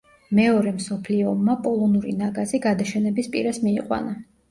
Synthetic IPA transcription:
mɛɔɾɛmsɔpʰliɔmːapʼɔlˠɔnuɾḭnaɡaziɡad̪aʃɛnɛbispʼḭɾasmiːqʼwa̰na

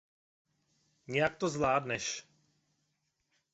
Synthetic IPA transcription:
ɲɛjakt̪ɔzvlaːd̪nɛʃ

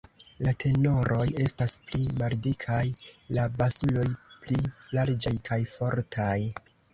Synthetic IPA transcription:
latʰe̞no̞ɾo̞je̞stasplimaldikʰajlabasulo̞jplilaɾd͡ʒajkʰajfo̞ɾtʰaj

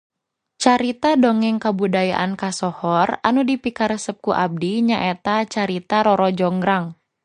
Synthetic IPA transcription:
t͡ʃaɾit̪adɔŋɛŋkabudajaʔankasɔhɔranudipikaɾəsəp̚kuʔab̚diɲaʔet̪at͡ʃaɾit̪aɾɔɾɔd͡ʒɔŋɡɾaŋ

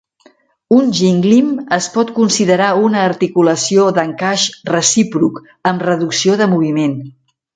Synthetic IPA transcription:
unʒiŋɡliməspɔt̪kunsiðəɾaunəːɾt̪ikuləsioðəŋkaʃrəsipɾuk | əmrəðuksioðəmuβ̞imen

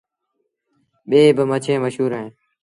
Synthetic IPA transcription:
ɓeːbəmət͡ʃʰẽːməʃuːɾeẽː

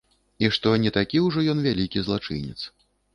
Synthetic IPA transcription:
iʂt̪ɔnʲɛt̪akʲiwʐɔjɔnvʲalʲikʲizlˠat͡ʂɨ̰nʲɛ̰t̪s

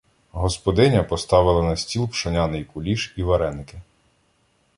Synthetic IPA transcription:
ɦɔspɔd̪ɪnʲɐpɔst̪ɑʋɪlˠɐnɐsʲtʲilˠpʃɐnʲanɪjkʊlʲiʃiʋɐɾɛnkɪ

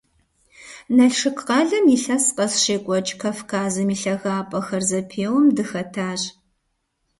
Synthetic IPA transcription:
nɐɬʂɨkʼqɑɮɐmjiɬɐsqɐsɕeːkʷʼɔt͡ʃʼkʰaːfkʰaːzɐmiɬɐɣaːpʼɐxɐrzɐpʰeːwɐmdɨxɐtʰaːɕ

